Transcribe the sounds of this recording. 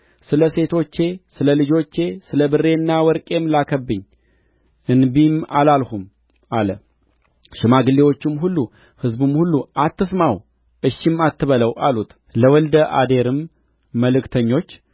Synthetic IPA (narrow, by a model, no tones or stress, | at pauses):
sɨləse̞t̪ʰo̞t͡ʃːe̞sɨləlɨd͡ʒo̞t͡ʃːe̞sɨləbɨrːe̞nːawɔɾkʼe̞mlakʰəbːɨɲː | ɨnbima̰lalhum | alə | ʃɪmaɡɨlːewo̞t͡ʃːɪmɦulːu | hɨzbɨmhulːuʔat̪ːɨsmaw | ʔɨʃːɪmat̪ʰːɨβələwalut̪ | ləwɔld̪əʔa̰d̪e̞ɾɨmː | əlɨkt̪ʰəɲːo̞t͡ʃː